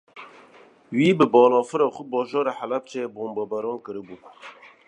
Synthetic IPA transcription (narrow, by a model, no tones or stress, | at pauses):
wiːbɨbɑːlɑːfɨɾɑːxubɑːʒɑːɾeħælɛp̚t͡ʃʰeboːmbɑːbɛɾɑːnkɨɾɨbuːbɛ